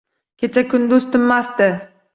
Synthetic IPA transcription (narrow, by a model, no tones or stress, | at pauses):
kʲʰet͡ʃʰakʰʊnd̪ʊzt̪ʰʊmːast̪ɪ